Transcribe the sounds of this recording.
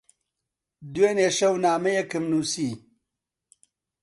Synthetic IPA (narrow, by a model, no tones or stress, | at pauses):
d̪weːneːʃɐwnaːmɐjekɨmnuːsiː